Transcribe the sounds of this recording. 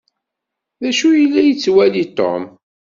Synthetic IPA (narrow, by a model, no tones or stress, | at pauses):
ðæʃujəlːæjət͡sːwælit̪ˤːo̰m